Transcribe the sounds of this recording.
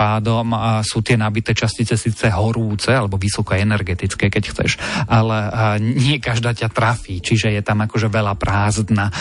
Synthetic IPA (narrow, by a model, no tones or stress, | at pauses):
aːd̪ɔmsuːt̪ɪɛnabit̪ɛːt͡ʃascit͡sɛsiːt͡sɛɦɔɾuːt͡sɛalɛbɔʋisɔkɔɛnɛɾɡɛt̪it͡skɛːkɛcxt͡sɛ̰ʃʔalɛɲɪɛkaʒd̪aːcat̪ɾafiːt͡ʃiʒɛjɛt̪amakɔʒɛʋɛʎapɾaːzd̪na